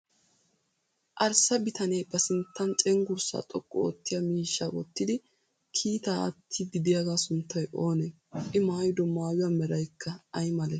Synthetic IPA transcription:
ʔɐɾsɐbɪt̪ʰɐnejbɐsɪnt̪ːɐnt͡ʃʼɛŋɡʊɾsa̰t̪ʼɔkʼːɔo̰ːt̪ːɪjamiːʃːaʔɔt̪ːɪd̪ɪ | kʰiːt̪aːʔɐ̰t̪ʰːɪɡɪd̪ɪjaɡaːsʊnt̪ʰːɐjʔo̞ːnɛ | ʔɪmaːjd̪ɔmaːjʊjamɛɾɐjkʰːɐɐjmɐlɛ

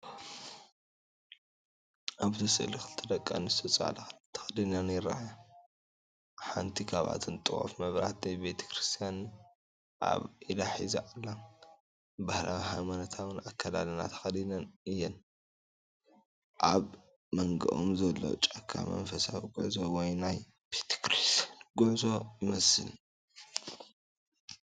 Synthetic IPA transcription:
ʔaβt̪ʰɐsɨʔlixɨlt̪ʰɨd̪ɐkʼːa̰nɨst̪ʰɐt͡sʼa̰lɐt̪ʰɐ̥xɐd̪inɐnjɪɾa̰ħa | ħa̰nt̪ʰikʰaβa̰t̪ʰɨnt̪ʼɨxo̰fmɐβɾa̰t̪najbe̞t̪ʰɐ̥kɾɨst̪ʰijan | ʔa̰βʔilaħizaʔalːan | bahla̰ɦajmanɐt̪ʰaβɨnakʰːɐd̪a̰lɨna̰t̪ʰɐ̥xɐlinɐnɨjːɛn | ʔaβ | mɐŋɡɐ̰ʔo̰mzɐlːo̰t͡ʃʼɐkʰːa̰mɐ̰nfɐsawiɡuʕzowɔjnaj | b̥et̪ʰɐ̥kɾist̪ʰijanɡʊʕzo̞jɪmɐsɨl

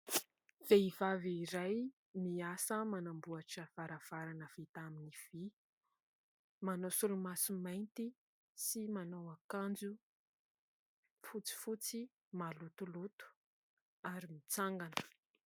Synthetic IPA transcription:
v̥eiv̥aviiɾaj | miasəmanambuaʈ͡ʂəv̥aɾəv̥aɾanəv̥it̪aminiv̥i | manosulumasumajnt̪i | simanawakand͡zu | fut͡si̥fut͡si | malut̪ulut̪u̥ | aɾimit͡saŋɡanə̥

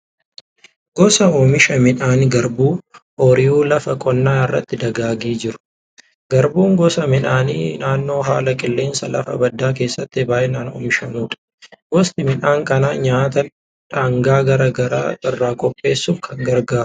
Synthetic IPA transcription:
ɡ̥ɔsɐomɪʃɐmɪnaːnɡɐɾbuː | ɔɾɪjuːlɐfɐkʼɔnːaːɪrːɐ̰t̪ːɪd̪ɐɡaːɡiːd͡ʒɪɾʊ̥ | ɡ̥ɐɾbuːŋɡɔsɐmɪnaːniːnaːnːo̞ːɦaːlɐkʼɪlːeːnsɐlɐ̰fɐ̰bɐd̪ːaːk̬e̞ːsːɐt̪ːɪbaːjʔenaːno̰ːmɪʃɐmuːᶑɐ̥ | ɡɔst̪ɪmɪnaːŋkʼɐnaːɲaːt̪ɐ | ᶑaːŋɡaːɡɐɾɐɡɐɾa̰ːʔɪrːaːkʼɔpʼːe̞ːsːuːfkʰɐŋɡɐɾɡaːɾʊ̥

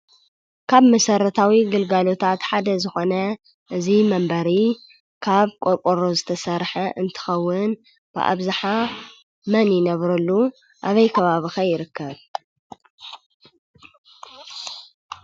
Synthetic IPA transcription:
kʰaβmɐsɐɾɐt̪ʰawiɡɨlɡalo̞t̪ʰat̪ħad̪ɐzɨxo̞nɐ | ʔɨzimɐmbɐɾi | kʰaβkʼokʼoɾozɨt̪ʰɐsɐɾħɐʔɨnt̪ʰɨ̥xɐwːɨn | b̥ɨ̰ʔa̰βzaħa | mɐnjɪnɐβɾɐlːu | ʔaβɐjkʰɐβaβixɐjɪɾɨkːɐβ

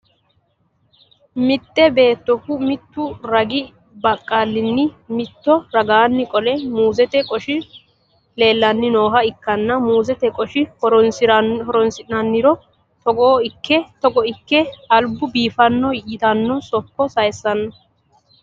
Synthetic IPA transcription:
mɪt̪ːɛbe̞ːt̪ːɔkʊmɪt̪ːʊɾɐɡɪ | bɐkʼːaːlːɪnːɪmɪt̪ːɔɾɐɡaːnːɪkʼɔlɛmuːzɛt̪ɛkʼɔʃɪ | le̞ːlːɐnːɪno̞ːɦɐɪkːɐnːɐuːzɛt̪ɛkʼɔʃɪhɔɾɔnsɪɾɔɾɔnsɪnɐnːɪɾɔ | t̪ɔɡoːɪkʰːɛt̪ɔɡɔɪkːɛɐlbʊbiːfɐnːɔjɪt̪ɐnːɔsɔkːɔsɐjɛsːɐnːɐ

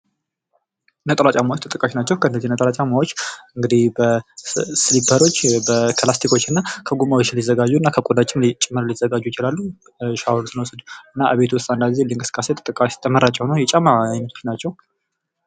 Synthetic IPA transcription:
nət̪ʼəlat͡ʃʼamawot͡ʃːt̪ʰʼət̪ʼəkʼːaʃnat͡ʃːɛwkʰəɨnːdːəzihnət̪ʼəɾat͡ʃʼamawot͡ʃːɨŋɡɨd̪ihbə | sɨlibʰəɾo̞t͡ʃːbəkʰlast̪ʰikʰo̞t͡ʃːɨnːakʰəɡumawot͡ʃːlizəɡad͡ʒːuɨnːakʰəkʼudat͡ʃːɪnlit͡ʃʼɪmːɨɾlizəɡad͡ʒːujɪt͡ʃɪlalːu | ʃawlsɨnəwsəd̪ɨnːaʔaβet̪ʰust̪ʼand̪aɡizeliŋkʼɨsɨ̥kʼaset̪ʰʼət̪ʼɨkʼːaʃt̪ʰəməɾat͡ʃʼɛwhnojɛt͡ʃʼamajnət̪ʰot͡ʃnat͡ʃːɛw

